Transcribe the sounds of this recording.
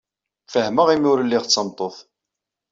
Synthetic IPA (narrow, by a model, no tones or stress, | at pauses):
fəhməʁimʊɾəlːɪʁt͡sːɑmt̪ˤoθ